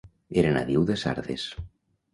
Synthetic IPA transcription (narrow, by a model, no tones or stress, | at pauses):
eɾena̰ðiwðesa̰ɾðes